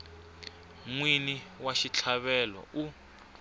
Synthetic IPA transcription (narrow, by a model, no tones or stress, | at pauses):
ŋwiniwaʃit͡ɬʰaβɛlɔ̰u